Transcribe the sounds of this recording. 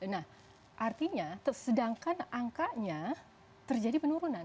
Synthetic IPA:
nah | ʔart̪iɲat̪əsədaŋkanaŋkaʔɲa | t̪ərd͡ʒadipənuɾunan

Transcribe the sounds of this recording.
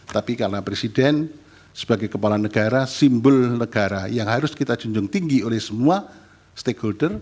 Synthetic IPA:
t̪apikaɾənapɾesidɛn | səb̥aɡajkəpalanəɡ̥aɾasimbʊlnəɡ̥aɾajaŋɦaɾʊskit̪ḁd͡ʒ̥uɲd͡ʒʊŋt̪iŋɡiolɛhsəmua | st̪ekholdər

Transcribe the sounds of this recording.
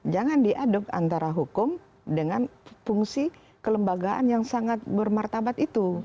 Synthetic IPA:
d͡ʒaŋandiʔadʊka̰nt̪aɾaɦukʊm | dəŋanfuŋsi | kələmbaɡaʔa̰njaŋsaŋat̪̚bərmart̪abat̪it̪u

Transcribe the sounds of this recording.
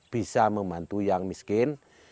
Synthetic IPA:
b̥i̤saməmbant̪ujaŋmiskɪn

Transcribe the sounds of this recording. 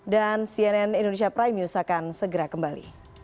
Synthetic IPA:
dansiɛnɛnindones̬iapɾajmiusakansəɡəɾakəmbalḭ

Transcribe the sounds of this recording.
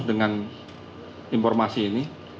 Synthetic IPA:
sdəŋan | infɔrmasiːni

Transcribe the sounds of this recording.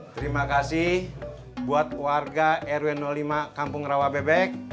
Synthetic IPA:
t̪əɾimakasihh | buat̪̚warɡaʔɛɾuɛnɔlimakampʊŋrawabɛbɛk̚

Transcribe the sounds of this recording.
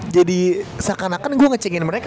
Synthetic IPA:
d͡ʒadisakanakanɡuaŋət͡ʃɛŋɪnməɾeka

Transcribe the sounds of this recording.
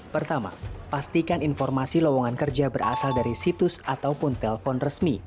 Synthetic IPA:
pərt̪ama̰past̪ikaninfɔrmasilɔwɔŋankərd͡ʒabəra̰saldaɾisit̪ʊsat̪awpʊnt̪ɛləfɔnrəsmi

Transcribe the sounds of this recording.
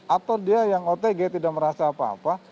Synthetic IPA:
at̪adiajaŋot̪eɡet̪idaʔ̚məɾasaːpa̰ːpa

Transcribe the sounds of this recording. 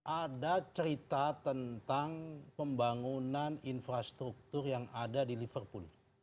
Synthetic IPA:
ʔadat͡ʃəɾit̪at̪ənt̪aŋpəmbaŋunaninfɾast̪ɾuk̚t̪ʊrjaŋadadilifərpul

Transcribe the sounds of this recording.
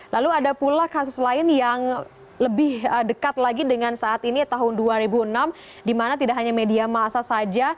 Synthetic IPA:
laluadapulahkasʊslaɪnjaŋ | ləbɪhədəkat̪̚laɡidəŋansaʔːt̪init̪aɦʊnduaɾibuənam | dimanat̪idaʔɦaɲamediamasasad͡ʒa

